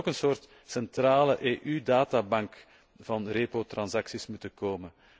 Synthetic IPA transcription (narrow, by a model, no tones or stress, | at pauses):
okənsoːrt | sɛntraːləʔeːʔydaːtaːbɑŋk | v̥ɑnreːpotrɑnsɑksismutəkoːmə